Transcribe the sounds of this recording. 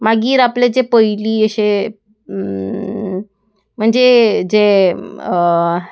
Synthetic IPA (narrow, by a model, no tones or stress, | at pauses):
maɡiːɾapled͡ʑepəiliːəɕe | m̤əɳd͡zed͡ʑe